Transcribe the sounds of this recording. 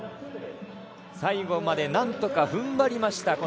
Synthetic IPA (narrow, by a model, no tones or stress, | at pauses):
saiɡo̞mad̪e̞nãnt̪o̞kaɸɯ̟̃mbaɾʲimaɕi̥t̪ako